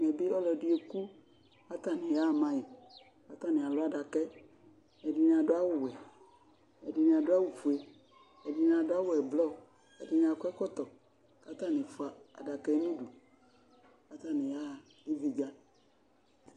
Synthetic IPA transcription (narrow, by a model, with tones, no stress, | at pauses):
mɛ˨be˦ɔ˦lɔ˨di˦e˨ku˦ | a˦t̪a˦nẽ˨ja˦˨mã˦ji˨ | ka˦t̪a˦nẽ˨a˨lo˦a˦ɖa˨kɛ˦ | ɛ˨di˨ñ˨a˨do˦a˦wʊ˦˨wɛ˨ | ɛ˨di˨nẽ˨a˨do˦a˦wu˨fu˨e˦ | ɛ˨di˨n˨a˨do˦a˦wo˦ɛ˨blɔ˦˨ | ɛ̰˨di˨nẽ˨a˨kɛ˦kɔ˦t̪ɔ˨ | ka˦t̪a˦˨nẽ˨fo˨˦a˨a̰˨da˨kɛ˦mĩ˦ɖu˨ | ka˨˦t̪a˦nẽ˨ja˦˨e˦vi˨d͡ʒa˦